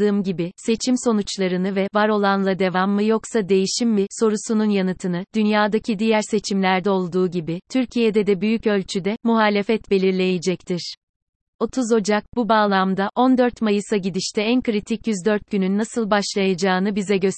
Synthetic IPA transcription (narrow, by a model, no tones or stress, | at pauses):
ɯːmɟibise̞t͡ʃʰimso̞nut͡ʃlˠaɾɯnɯvɛvaɾo̞lˠanlˠad̪e̞vamːɯjo̞ksad̪e̞jiʃimːiso̞ɾusununjanɯt̪ʰɯnɯd̪̥ynjaːd̪acʰid̪ijæɾse̞t͡ʃʰimlʲæɾd̪ɛo̞lˠd̪uːɟibit̪ʰyɾcʰijed̪ɛd̪ɛbyjycø̞lʲt͡ʃʰyd̪ɛmuɦaːlʲe̞fɛt̪be̞lʲiɾlʲe̞jed͡ʒɛc̚t̪ʰiɾ̥ | o̞t̪ʰuzo̞d͡ʒak̚bubaːlˠamd̪aʔo̞nd̪øɾt̪majɯsaɟid̪iʃt̪ʰɛænkɾit̪ʰicjyzd̪øɾt̪̚ɟynynːasɯlˠbaʃlˠajad͡ʒaːɯnɯbizɛɟøs